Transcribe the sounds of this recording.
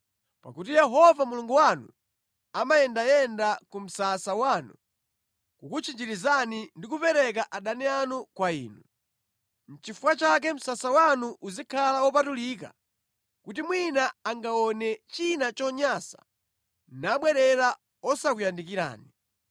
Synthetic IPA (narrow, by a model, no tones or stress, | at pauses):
pakutijɛɦɔvamuluŋɡuwanu | amajɛndajɛndakum̩sasawanu | kukut͡ʃʰind͡ʒiɾizanindikupɛɾɛk̬aʔaɗanianukwaḭːnu | n̩t͡ʃifuwat͡ʃak̬ɛm̩sasawanuʔuzikʰalawɔp̬atulik̬a̰ | kutimwinaaŋɡaɔnɛt͡ʃinat͡ʃɔɲasḁ̰ | naɓwɛɾɛɾa | ɔsakujandikiɾa̰ːni